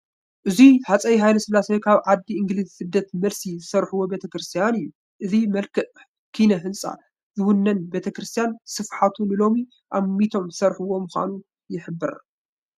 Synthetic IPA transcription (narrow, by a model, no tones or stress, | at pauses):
ʔɨziħat͡sʼɐjɦajlɐsɨlːasejkʰaβʕad̪ːiʔɨŋɡlizsɨd̪ːɐt̪mɐlsizɨsɐɾħuwo̞bet̪ʰɐkɾɨst̪ʰijanɨjːu | ʔɨzimɐlkʰɨʔ | kʰinɐɦɨnsʼa̰ | zɨwʊnːɐnbet̪ʰɐkɾɨst̪ʰijansɨfħat̪ʰunɨlo̞mi | ʔamːit̪ʰo̞msɐɾħuwo̞mɨxʷa̰nu | jɪħɨbːɨɾ